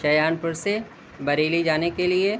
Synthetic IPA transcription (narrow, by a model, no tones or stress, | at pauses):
ʃɐjaːnpʊɾse | bɐɾeːlid͡ʒaːnekelie